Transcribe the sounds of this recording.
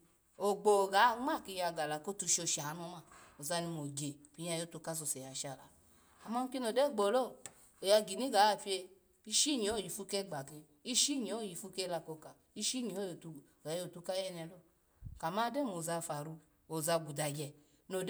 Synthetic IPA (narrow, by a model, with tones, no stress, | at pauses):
o˨ɡ͡bo˨ɡa˨˦ŋ͡ma˦˨ki˧ja˧ɡa˨la˨ko˦tu˧ʃo˧˨ʃa˨a˨˦no˧ma˨o˨za˧ni˧mo˨ɡe˨pi˨˧ɲ˦a˧˨jo˦tu˧ka˦so˧˨sɛ˨ja˨ʃa˨la̰˨ | a˨ma˧˦kʲe˦no˨dɛ˦˨ɡ͡bo˨lo˦˨ | o˨ja˧ɡi˨ni˦ɡa˨˦a˧˨pi˦e˧ | i˦ʃi˦˨ɲi˨o˦˨ji˨fu˧kɛ˦˨ɡ͡ba˨ke˧ | i˦ʃi˦˨ɲi˨o˦˨ji˨fu˧˦ke˦˧la˧ko˧ka˨ | i˦ʃi˦˨ɲi˨o˦jo˨tu˧˨ | ɡa˨˦o˨tu˧ka˦jɛ˦nɛ˧lo˦ | ka˨ma˦de˦˨mo˨za˧fa˨ɾu˧ | o˨za˧ɡu˨da˨ɡɛ˧ | no˨d